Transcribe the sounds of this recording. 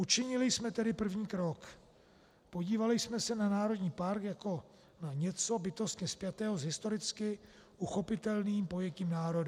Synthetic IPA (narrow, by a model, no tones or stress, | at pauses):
ʔut͡ʃɪɲɪlɪsmɛt̪ɛdɪpr̩vɲiːkɾo̞k | po̞ɟiːvalɪsmɛsɛnanaːɾo̞d̪ɲiːpaɾkjako̞ | naɲɛt͡so̞bɪt̪o̞st̪ɲɛspjat̪ɛːɦozɦɪst̪o̞ɾɪt͡skɪ | ʔuxo̞pɪt̪ɛlniːmpo̞jɛciːmnaːɾo̞d